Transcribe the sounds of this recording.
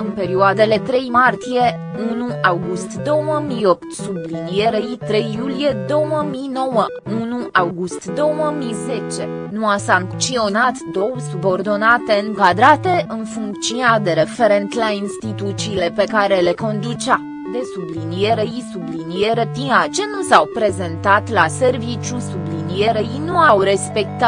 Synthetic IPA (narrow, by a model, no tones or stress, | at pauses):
ɨnpe̞ɾioad̪e̞le̞t̪ɾe̞jmart̪ije̞ | unuawɡust̪d̪o̞wəmijo̞p̚t̪sublinije̞ɾeit̪ɾe̞jːulije̞d̪o̞wəmino̞wə | unuʔawɡust̪d̪o̞wəmize̞t͡ʃe̞ | nuasaŋkt̪t͡ʃ̪io̞nat̪d̪o̞wsubo̞rd̪o̞nat̪e̞ɨŋkad̪ɾat̪e̞ʔɨnfuŋkt̪sinad̪e̞ɾe̞fe̞ɾe̞nt̪lainst̪it̪ut̪siːle̞pe̞kaɾe̞leko̞nd̪ut͡ʃa | d̪e̞sublinije̞ɾeisublinije̞ɾepiat͡ʃe̞nusawpɾe̞ze̞nt̪at̪lase̞rvit͡ʃusublinije̞ɾeinuawɾe̞spe̞k̚t̪a